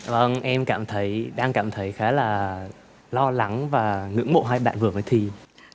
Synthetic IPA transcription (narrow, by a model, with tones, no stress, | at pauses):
və˧ŋʔɛ˧mkaː˧˨˩mt̪ʰə˨˦jɗaː˧ŋkaː˧˩mt̪ʰə˨˦jxaː˨˦laː˨˩ | lɔ˧la˨˩˦ŋvaː˨˩ŋɨ̰˧˥əŋɓo̰˧˨ɦaː˧jɓa̰ː˧˨nvɨ˨˩əfəː˨˦jt̪ʰi˨˧˩